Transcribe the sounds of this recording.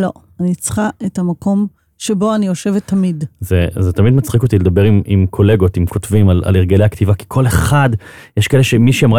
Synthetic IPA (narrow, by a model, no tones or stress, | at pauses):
lo̞̰ | anit͡sχaʔetamakʰo̞m | ʃebo̞anijoʃevetʰːamidzezet̪amid̪mat͡sχiko̞t̪iled̪ɐbeʁimimkʰo̞le̞ɡo̞t̪imkʰotvimala̰leʁɡelejakt̪ivaki̥kʰo̞le̞χad | jeʃkaeleʃemiʃiamʁa